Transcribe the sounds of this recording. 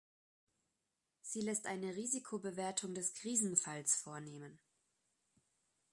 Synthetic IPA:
z̥iːlɛstʔa̰ɪnəʁiːzikʰobəveːɐtʰʊŋdɛskʁ̥iːzn̩falsfoːɐneːmən

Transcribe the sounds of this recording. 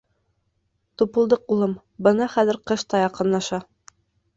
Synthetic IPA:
t̪upɤ̆lˠd̪ɤqulˠɤm | bɤ̆nɑχæðɘ̆ɾqɤʃt̪ɑjɑqɤ̆nlˠɑʃɑ

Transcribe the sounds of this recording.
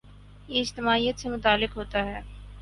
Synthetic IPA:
jeɪd͡ʒt̪ɪmaːijət̪semʊt̪aːlːɪkɦoːt̪aɦɛː

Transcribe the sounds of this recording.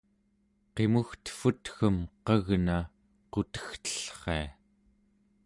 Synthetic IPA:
qe̞muxt̪ə̥fut̪xəmqʌɣna | qot̪ə̥xt̪ə̥ɬχea

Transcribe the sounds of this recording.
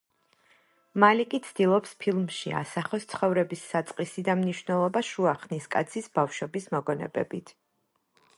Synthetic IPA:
malikʼit̪sʰd̪̥ilˠɔpspʰilˠmʃia̰saχɔst̪sʰχɔvɾɛbisːat̪sʼqʼisid̪amniʃvnɛlˠɔbaʃuaχniskʼat̪sʰisb̥afʃwɛbismɔɡɔnɛ̰bɛ̰bit̪ʰ

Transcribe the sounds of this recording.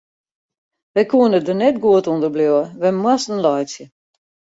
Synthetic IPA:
ʋɛjkʰuənədənɛtɡuətundərbljoəʋɛmwastənlɔjsjə

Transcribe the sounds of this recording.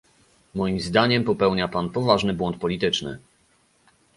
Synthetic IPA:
mɔjimzd̪aɲɛmpɔpɛwɲapanpɔvaʐnɘbwɔnt̪̚pɔlʲit̪ɘt͡ʂnɘ̰

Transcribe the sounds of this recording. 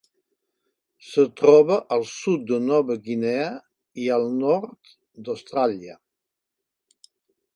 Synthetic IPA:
sət̪ɾɔβəʔəlˠsut̪̚d̪ənɔβəɡinɛə | iəlˠnɔɾt̪ | d̪əwst̪ɾaljə

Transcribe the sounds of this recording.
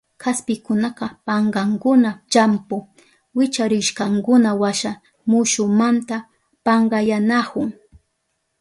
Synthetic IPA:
kʰaspɪkʊnɑqɑpɑɴɢɑŋkʊnat͡ʃampʊ | wɪt͡ʃaɾɪʃkɑŋkʊnawaʃa | mʊʃʊmant̪a | pɑɴɢɑjanakʊŋ

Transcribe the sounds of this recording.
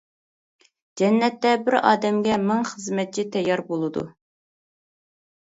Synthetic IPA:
d͡ʒɛnːɛt̪ːɛbɪɾɑ̰ːd̪ɛmɡʲɛmɨŋχəzmɛt̪̚t͡ʃʰit̪ʰɛjːɑɾbolˠɨd̪ṵ

